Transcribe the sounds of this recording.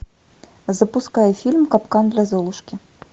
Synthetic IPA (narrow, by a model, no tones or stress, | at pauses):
zɐpuskajɛfʲilʲmkapkand̪lʲazɔlˠuʂkʲi